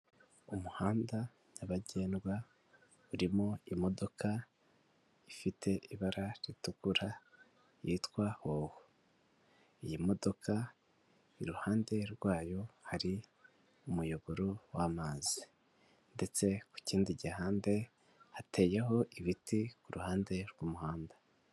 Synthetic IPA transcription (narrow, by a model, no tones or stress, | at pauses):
umuhaːnda | naβaɟe̞ːnɡwa | uɾimoimo̞do̞ka | ifitʰe̞ʔiβaɾaɾitukuɾa | jiːtkwahoho | ijimo̞do̞kʰa | iɾuhaːnde̞ɾɡwaːjo̞haɾi | umujo̞βo̞ɾowaːmaːzi | nde̞t͡se̞ku̥ciːndiɟihaːnde̞ | hatʰe̞ːjeɦo̞ʔiβitikuɾuhaːnde̞ɾɡumuhaːnda